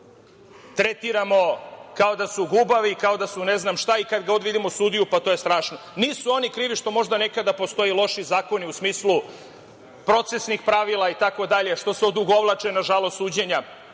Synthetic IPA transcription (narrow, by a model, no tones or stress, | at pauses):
t̪ɾe̞t̪iɾamo̞kao̞d̪asuɡubaʋikao̞d̪asune̞znamʃt̪aikad̪ɡaod̪ʋid̪imosuːd̪ijupat̪o̞ːje̞st̪ɾaːʃno̞niːsuo̞nikɾiːʋiʃt̪o̞mo̞ʒd̪ane̞kad̪apo̞st̪o̞jelˠo̞ʃizaːko̞niusmiːslu | pɾo̞t̪sesnixpɾaʋilˠait̪ako̞d̪aʎeʃt̪o̞seod̪uɡoʋlˠat͡ʃenaʒalost̪uːd͡ʑeɲa